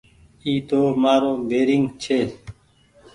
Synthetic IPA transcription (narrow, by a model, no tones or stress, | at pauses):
iːt̪oːmaːɾoːbeːɾɪŋɡt͡ʃʰeː